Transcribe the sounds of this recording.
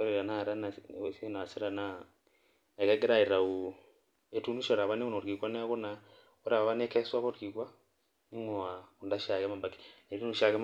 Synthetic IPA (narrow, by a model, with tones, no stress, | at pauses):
ɔ˦ɾɛ˨ɾa˨naɾa˦nasna˨se˦ɾa˨na | ɛ˨ɣɛ˦ɡɛ˦ɾa˦e˨ɾa˨u˨ | e˨tu˦nu˦ʃɔ˨ɾa˨βa˦ne˦u˦no˨ɾki˨ɣwa˦nɛ˦ɣo˦na˨ | o˦ɾa˨ββa˦nɛ˦kɛ˦swa˦βɔ˦ɾki˨ɣwa˦ | ni˦ŋɔ˨a˨u˨nda˦ʃa˨ɣɛ˦ma˨mba˨ki̥ne˨ɾi˦nu˨ʃa˨ɣɛ˦m